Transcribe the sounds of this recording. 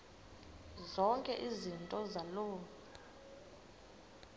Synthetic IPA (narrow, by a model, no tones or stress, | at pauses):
zɔŋkʼɛʔizintʼɔzaloː